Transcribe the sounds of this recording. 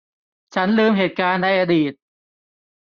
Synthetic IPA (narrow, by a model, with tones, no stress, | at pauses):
t͡ɕʰa˦˥nlɯː˧mɦeː˨˩t̪̚kaː˧nːa˧jʔaː˧diː˨˩t̪̚